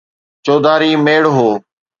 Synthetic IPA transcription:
t͡ʃoːd̪aːɾiːmeːɽɦoː

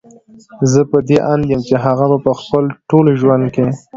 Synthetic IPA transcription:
zəpəd̪eʔand̪jəmt͡ʃeɦaɣamupəxpəlʈolʒwand̪̚ke

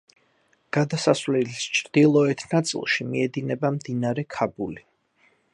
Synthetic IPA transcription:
ɡ̥ad̪asasvlɛlist͡ʃʰɾd̪̥ilˠɔɛt̪ʰnat̪sʼḭlˠʃimiɛd̪inɛbamd̪inaɾɛkʰabuli

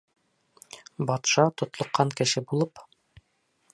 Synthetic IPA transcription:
bɒt̪ʃɑt̪ŏt̪lˠŏqːɑŋkɘ̆ʃɘbulˠɤp

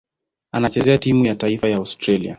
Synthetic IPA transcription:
anat͡ʃɛzɛatimujataifajaastɾalia̰

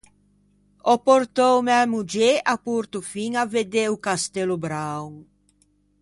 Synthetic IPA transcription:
ɔpoɾt̪owmɛmud͡ʒeʔapuɾt̪ufiŋaved̪eukast̪ɛlʊbɾaw

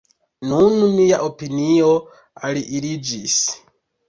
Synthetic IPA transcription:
nununijaʔopiniɔ | aliʔiɾid͡ʒis

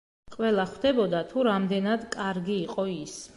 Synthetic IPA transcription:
qʼwɛlˠaχwd̪ɛbɔd̪at̪ʰuɾamd̪ɛnad̪kʼaɾɡiːqʼɔis

